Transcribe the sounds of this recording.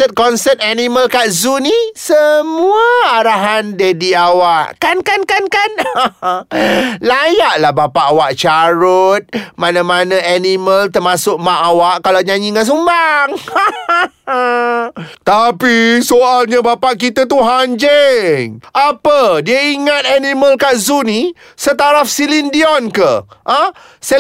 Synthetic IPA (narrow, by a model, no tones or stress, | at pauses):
ɛt̪̚kɔnsɛt̪̚animəlkaʔzunisəmuəaɾaɦandədiawaʔkankankankan | lajaʔlahbapaʔawaʔt͡ʃaɾʊt̪̚manãmanãaniməlt̪ərmasʊk̚maʔawaʔkalawɲãɲiŋas̬umbaŋ | t̪apisoʔalɲabapaʔkit̪at̪uɦaɲd͡ʒɛŋʔapədiəiŋat̪̚animəlkaʔzuni | sət̪aɾafsilindiɔnkəʔə̃ | sə